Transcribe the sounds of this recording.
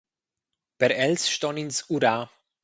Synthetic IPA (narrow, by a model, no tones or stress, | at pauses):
pɛɾɛlsʃtɔnɪnsuɾaː